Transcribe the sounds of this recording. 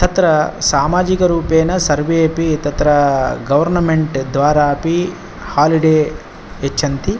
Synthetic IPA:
t̪ɐt̪ɾɐsaːmaːd͡ʒikɐɾuːpeːnɐsɐɾʋepit̪ɐt̪ɾɐɡɐʋɐɾnɐmeɳʈd̪ʋaːɾaːpi | haːliɽeː | et͡ʃːʃʰɐnt̪ʰi

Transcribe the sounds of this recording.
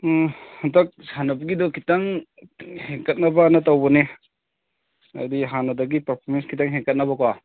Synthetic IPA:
hɐndɐk̚sanɐbɐɡidɔkitaŋ | heŋkɐt̚nɐbanɐtawbɐne | a̰diɦanɐdɐɡipɐɾpʰoɾmenskʰitaŋɦeŋkɐt̚nɐbɐkwa

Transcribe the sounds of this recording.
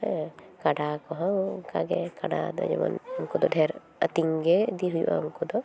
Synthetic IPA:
ɛkaɖakɔɦawkaɡɛkaɖa̰d̪ɔ̰d͡ʒɛ̰mɔ̰nɔmkɔd̪ɔɖʱɛɾ | ət̪iŋɡɛd̪iɦud͡ʒṵʔa̰umkɔd̪ɔ

